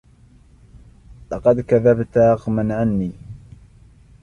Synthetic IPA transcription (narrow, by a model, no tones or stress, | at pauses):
lɑqɑd̪kaðabt̪ɑɣmanʕanːiː